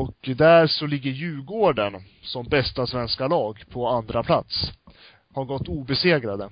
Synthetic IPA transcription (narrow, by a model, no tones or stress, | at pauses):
ɔkd̪æɾʂɔlɪɡːəɾjʉ̟ːɡoːɖən | sɔmbɛst̪asvɛnskalɑːɡpʰɔand̪ɾapʰla̰t̪s | haɾɡɔt̪ːuːbɛseːɡɾad̪ə